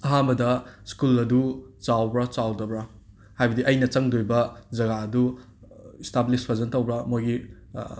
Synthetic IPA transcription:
ɐɦambɐdɐskulɐdut͡ʃawbɾɐt͡ʃawdɐbɾɐ | hajbɐdiʔɐjnɐt͡ʃɐŋdojbɐzɐɡaɐdu | istablispʰɐzɐntɐwbɾɐmojɡi

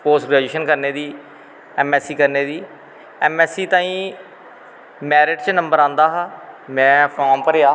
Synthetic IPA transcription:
poːsʈɡɾɛːd͡ʒeːʃənkəɾneːd̪iː | ɛːmɛːsiːkəɾneːd̪iː | ɛːmɛːsiːt̪ãːĩː | mɛːɾɪʈt͡ʃnəmbəɾãːnd̪aːɦaːmɛ̃ːpʰɔːɾmpəɾeaː

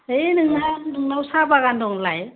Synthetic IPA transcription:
enɯŋnanɯŋnawsabaɣandɔŋlaj

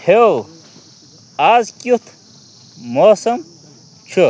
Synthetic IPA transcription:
he | aːzkʲut̪ʰ | moːsɐm | t͡ɕʰu

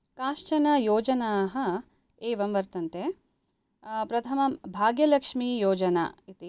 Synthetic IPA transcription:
kaːʂt͡ʃɐnɐjoːd͡ʒɐnaːɦɐ̆ | eːʋɐmʋɐɾt̪ɐnt̪e | pɾɐt̪ʰɐmɐmbʱaːɡjɐlɐkʂmiːjoːd͡ʒɐna̰ːit̪i

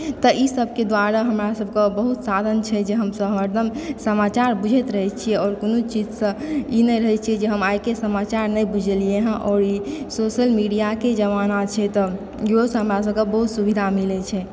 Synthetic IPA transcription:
t̪əʔisəbʱked̪waɾaɦəmɾasəb̚ʱkebəɦut̪sad̪ʱənt͡ʃʰɛd͡ʒeɦəmsəbʱɦəməɾd̪ʱəmsəmat͡ʃaɾbud͡ʒʱet̪ɾəɦɛt͡ʃʰiɛɔːɾkonot͡ʃid͡ʒsə̃inɛɾəɦɛt͡ʃʰiɛd͡ʒeɦəmajkesəmat͡ʃaɾnəjbud͡ʒʱelieɦɛ̃ʔɔːɾisoʃəlmiɖijaked͡ʒəʋanat͡ʃʰɛt̪ɔ | josɦəmɾasəb̚kebəɦut̪subid̪ʱamilet͡ʃʰɛ

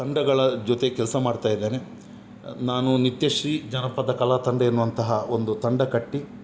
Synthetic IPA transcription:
t̪ɐɳɖɐɡɐɭɐd͡ʒot̪ekɛlɐsɐmaːɖt̪aːjid̪ːe̞ːne | naːnunit̪jɐʂɾid͡ʒɐnɐpːɐd̪ɐkɐlat̪ɐɳɖɐenːuːʋɐnt̪ɐɦɐond̪ut̪ɐɳɖɐkɐʈːi

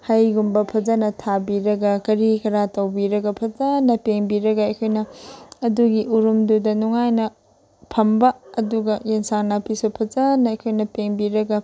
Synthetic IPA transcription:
hɐjɡumbɐpʰɐd͡ʒɐnɐtʰabiɾɐɡɐkɐɾikɐɾatɐwbiɾɐɡɐpʰɐzɐnɐpeŋbiɾɐɡɐɐjkʰojnɐːduɡiʔuɾumdudɐnuŋajnɐ | pʰɐmbɐːduɡɐjensaŋnapʰisupʰɐzɐnɐɐjkʰojnɐpeŋbiɾɐɡɐ

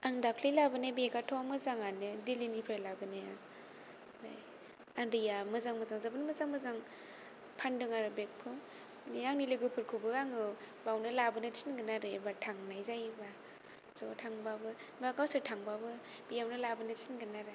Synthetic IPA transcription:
aŋdakʰlilabɯnebeɡatʰɔmɯzaŋanɯdilinipʰalabɯnea | ba̰j | andijamɯzaŋmɯzaŋzabɯnmɯzaŋmɯzaŋ | pʰandɯŋaɾɯbek̚pʰɯm | niaŋnilɯɡɯpʰɯɾkʰɯbɯɡaŋɯ | bawnɯlabɯnɯtʰinɡɯnaɾɯbatʰaŋnajzajba | zɔtʰaŋbabɯbaɡawsɯtʰaŋbabɯ | b̥ijawnɯlabɯnɯtinɡɯnaɾe

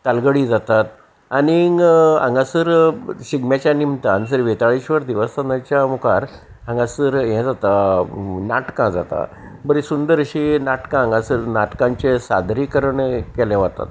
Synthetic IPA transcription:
t̪alɡəɽid͡zat̪at̪̚ | ania̰ŋɡasəɾɕiɡmat͡ɕjanimt̪ansəɾʋet̪aɭiɕʋəɾd̪iʋəst̪anãt͡ɕjamukʰaɾ | ãŋɡasəɾɦɛ̃d͡zat̪a | naʈkãd͡za̰t̪a̰ | bəɾisund̪əɾəɕinaʈkããŋɡasəɾnaʈkãɲt͡ɕesa̰d̪ʱɾikəɾəɳekɛlɛ̃ʋat̪a̰t̪

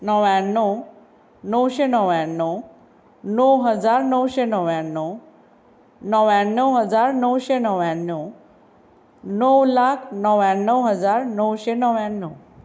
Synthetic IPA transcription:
nəʋjãnːə | nəwɕenəʋjanːə | nəwɦəd͡zaɾnəwɕenəʋjãnːə | nəʋjanːəwɦəd͡zaɾnəwɕenəʋjanːə | nəwlakʰnəʋãnːəwɦəd͡zaɾnəwɕenəʋjãnːə

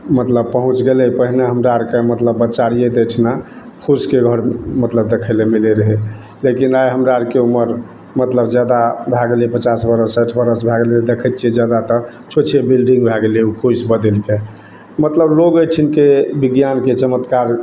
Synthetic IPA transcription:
mət̪ləb̚pəɦũt͡ʃɡelɛpəɦineɦəmɾaɾkemət̪ləbːət͡ʃaɽijed̪eʈʰna | pʰuskeɡʱəɽmət̪ləb̚d̪ekʰəjlemileɾəɦe | lekinajɦəmɾaɾkeuməɾ | mət̪ləbd͡ʒjad̪abʱaɡelepət͡ʃasbəɾəsəʈʰbəɾəsbʱaɡeled̪ekʰət̪t͡ʃʰid͡ʒjad̪at̪ə | t͡ʃʰot͡ʃʰebilɖĩŋɡbʱaɡeleupʰusbəd̪elke | mət̪ləbloɡəʈʰinkebiɡjanket͡ʃəmət̪kaɾ

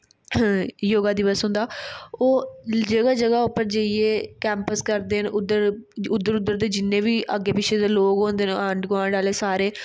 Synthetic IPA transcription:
joːɡaːd̪ɪʋəsɦʊ̃nd̪aːoːd͡ʒəɡaːd͡ʒəɡaːʊpːəɾd͡ʒəieːkɛ̃ːmpəskəɾd̪eːənʊd̪əɾʊd̪ːəɾʊd̪ːəɾd̪eːd͡ʒɪnːẽːʋiːʔəɡːeːpɪt͡ʃʰeːd̪eːloːkɦõːnd̪eːnəɳɖɡaːɖaːleːsaːɾeː

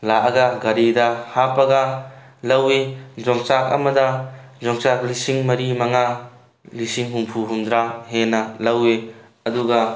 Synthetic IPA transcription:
laɐɡɐɡɐɾidɐhapɐɡɐ | lɐwed͡ʒɔŋsak̚ɐ̰mɐdɐ | d͡ʒɔŋsak̚lisiŋmɐɾimɐŋa | lisiŋɦuŋpʰuɦund̪ɾahenɐlɐwe | ɐduɡɐ

